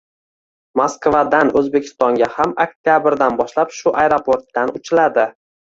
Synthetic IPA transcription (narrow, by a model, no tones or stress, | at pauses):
moskvad̪anɵzbekʲʰɪ̥st̪ɒŋɡʲahamak̚t̪ʲjabɪɾd̪anbɒʃlapʃʊʔaeɾopʰoɾt̪ːanʊt͡ʃʰɪlad̪ɪ